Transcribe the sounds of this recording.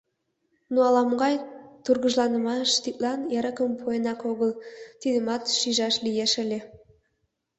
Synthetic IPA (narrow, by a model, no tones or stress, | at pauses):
nuɑlˠɑmɡɑjt̪urɣəʒlˠɑnə̆mɑʃt̪it̪lˠɑnjeɾəkəmpʰojənɑkoɣəlˠt̪id̪əmɑt̪ʃiʒɑʃlijeʃəlʲe